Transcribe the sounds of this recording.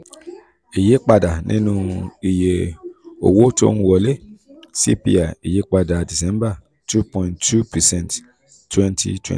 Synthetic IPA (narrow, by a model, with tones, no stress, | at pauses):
i˨je˦k͡pa˧da˨nʔḭ̃˦nũ˧i˨je˨o̰˨wo˦to̰˦n˦wɔ˨le˦sḭ˦pḭ˦a˨i˨je˦k͡pa˧da˨di˨sɛ̃˦mba˦˨ | tʰu˦pɔ̃˨ĩ˨ntːu˦pɛ˨sɛ̃˦ntː | wɛ̃˦ntʰḭ˦˨twɛ̰̃˦˨